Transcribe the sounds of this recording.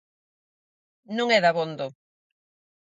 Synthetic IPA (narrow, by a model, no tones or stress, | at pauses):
nũŋɛðaβond̪o